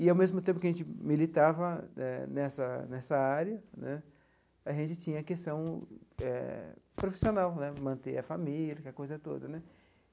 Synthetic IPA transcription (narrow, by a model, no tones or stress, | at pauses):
ɪawmezmʊt̪ẽpʊkɪɐʒẽt͡ʃɪmilit̪avɐɛnɛsɐnɛsɐaɾjɐnɛ | aʒẽnt͡ʃɪt͡ʃĩɲɐkest̪ɐ̃w̃ɛ̰ | pɾofi̥sionawnɛmɐ̃nt̪eɐfamilɐkɛɐkojzɐt̪o̰d̪ɐnɛ